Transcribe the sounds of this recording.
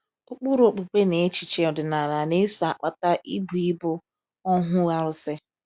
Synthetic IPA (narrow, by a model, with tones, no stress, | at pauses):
ʊ˦k͡pu˦ɾo˨k͡pu˨kʷe˦ne˨e˦t͡ʃi˨t͡ʃe˦ɔ˨dɪ˨na˨ɾa˨ne˦su˨a˨k͡pa˦ta˦ʔi˦bu˨i˦bʊ˦ | ɔ˦ɦʊ˦ɣa˦ɾʊ˦sɪ˦